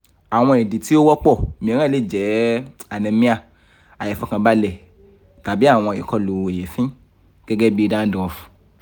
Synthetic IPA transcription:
a˨w̃ɔ̃˧e˨di˨ti˦o˦wɔ˦k͡pɔ˦˨mĩ˧˨˦ɾ̃ã˦˨le˨˦˨d͡ʒɛ˨˦a˨nĩ˧mĩ˦a˦˨ | a˨jɛ˨fɔ˦kã˧ba˦lɛ˨ | ta˨bi˦a˦˨w̃ɔ̃˧˨ji˨kɔ˦lo˨˧˨e˨je˨fĩ˦ | ɡ̥ɛ˦ɡɛ˦bi˦i˧˦dã˦dɔ̃˨˧fu̥˨

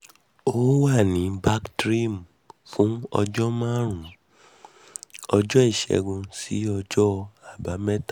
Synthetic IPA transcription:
o˦wa˦˨nĩ˨˦ba˦ktɾi˦˨m | fũ˦ɔ˧d͡ʒɔ˦mã˦ɾ̃ũ˨ | ɔ˧d͡ʒɔ˦i˦˨ʃɛ̰˧ɡũ˧sḭ˨˦ɔ˧d͡ʒɔ˦a˨ba˨˦mɛ˦ta˦

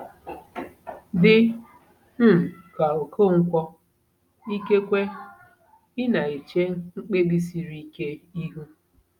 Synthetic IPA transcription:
dɪ˦ | m̩˦m̩˨ka˨o˨ko˦˨ŋ̩˦kʷɔ˦ | i˦ke˦kʷe˦ | ɪ˦na˨i˨t͡ʃe˦ŋ͡m̩˦k͡pe˦ɡi˦s̬i˨ɾi˦ke˦i˦ɦu˦

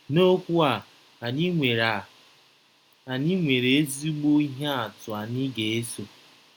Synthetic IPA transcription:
no˦kʷu˦a˨ | n˦ŋʷe˨ɾa˨ | a˨ni˦ŋʷe˨ɾe˨e˦zi˦ɡ͡bo˦i˦ɦe˦a˨tʊ˨a˨nɪ˦ɡe˨e˦so˨

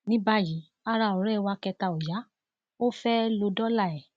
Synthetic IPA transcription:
nĩ˦ba˦ji˨˦ | a˦ɾa˧˨ɔ˨ɾɛ˦˨wa˧kɛ˧ta˧o˨ja˨˦ | o˦fɛ˦lo˧dɔ˦la˦˨ɛ˨

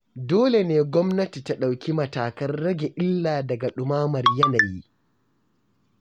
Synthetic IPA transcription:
doː˦le˨neː˦ɡʷɔ˦mnɐ˦ti˨ta˦ɗa˨wkʲi˦mɐ˨taː˨kɐ˦nːɐ˦ɡʲe˨ʔɪ˦lːaː˨dɐ˨ɡa˨ɗʊ˨maː˦mɐ˨rjɐ˦na˨ji˦

